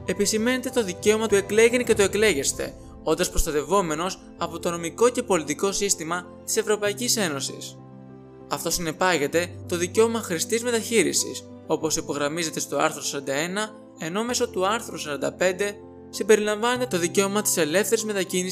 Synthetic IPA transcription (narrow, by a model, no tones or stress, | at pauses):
e̞pisime̞ne̞t̪e̞t̪o̞ðice̞o̞mɐt̪ue̞kle̞ʝenece̞t̪oe̞kle̞ʝe̞st̪e̞̰ | o̞nd̪ɐspɾo̞st̪ɐt̪e̞vo̞me̞no̞s | ɐpo̞t̪o̞no̞miko̞ce̞po̞lit̪iko̞sist̪imɐ | t̪i̥se̞vɾo̞pɐicise̞no̞sḭs | ɐft̪o̞sine̞pɐʝe̞t̪e̞t̪o̞ðice̞o̞mɐxɾist̪izme̞t̪ɐçiɾḭsḭs | o̞po̞sipo̞ɣɾɐmize̞t̪e̞st̪o̞ɐ̰ɾθɾosɐɾɐnd̪ɐe̞nɐ | e̞no̞me̞so̞t̪uɐɾθɾusɐɾɐnd̪ɐpe̞nd̪e̞ | simbe̞ɾilɐɱvɐne̞t̪et̪o̞ðice̞o̞mɐt̪i̥se̞le̞fθe̞ɾizme̞t̪ɐcini